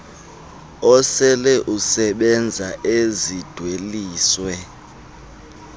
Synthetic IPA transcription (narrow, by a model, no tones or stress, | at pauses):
ɔsɛlɛʔusɛɓɛnd͡zʱaʔezid̥ʱweliːswɛ